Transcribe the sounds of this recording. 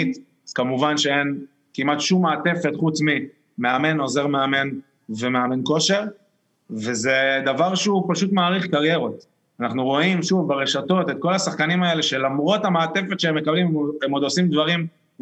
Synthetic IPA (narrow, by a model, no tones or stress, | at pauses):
t̪ | z̥kamuvanʃeen | kimat̪ʃumːaːte̞fe̞t̪χut͡smi | me̞ame̞no̞ze̞ʁmeame̞n | ve̞me̞ame̞nko̞ʃe̞ʁ | vezed̪avaʁʃeupaʃut̪maːʁiχkaʁje̞ʁo̞t̪ | anaχnuʁo̞imʃuvbeʁeʃato̞tet̪̚ko̞lasaχkanimae̞le̞ʃe̞lamʁo̞tameaːt̪e̞fe̞t̪ʃeemːekablimemod̪osimd̪vaʁim